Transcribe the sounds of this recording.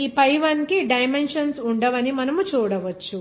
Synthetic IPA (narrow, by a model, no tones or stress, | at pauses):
iːpɐjʋɐnkiɖɐjmenʂɐnsuɳɖɐʋɐnimɐnɐmut͡ʃuːɽɐʋɐt͡ʃːu